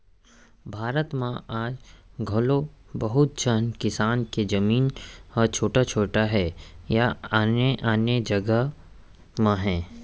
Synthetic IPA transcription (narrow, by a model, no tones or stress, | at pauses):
bʱaːɾət̪mãʔaːd͡ʒɡʱɐlo | bəɦʊt̪̚d͡ʒəɦnkɪsaːnked͡ʒɐmiːnɔt͡ʃʰoːʈat͡ʃʰoːʈaɦɛːjaaːneʔaːned͡ʒɐɡəɦ | mãɦɛ̃ː